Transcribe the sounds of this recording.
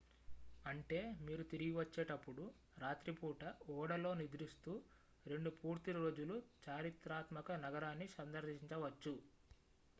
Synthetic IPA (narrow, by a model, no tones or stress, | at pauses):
ɐɳʈe̞ːmiːɾut̪iɾiɡiʋɐt͡ʃːeːʈɐpːuɽu | ɾaːt̪ɾipuːʈɐɔːɽɐlo̞ːnid̪ɾist̪uː | ɾe̞ɳɖupuːɾt̪ilɾo̞ːd͡ʒulut͡ʃaːɾit̪ɾaːt̪mɐkɐnɐɡɐɾaːnːisɐnd̪ɐɾd̪iiɲt͡ʃɐʋɐt͡ʃːu